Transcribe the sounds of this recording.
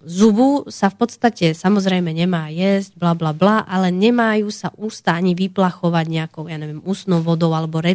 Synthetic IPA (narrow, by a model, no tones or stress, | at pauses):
zubusafpɔt̪st̪acɛsamɔzɾɛjmɛɲɛmaːjɛzɟblablablaʔalɛɲɛmajuːsaʔuːst̪aaɲiʋiplaxɔʋaɟɲɛakɔʊjaːɲɛʋɪɛmuːsnɔʊʋɔd̪ɔʊalɛbɔɾɛ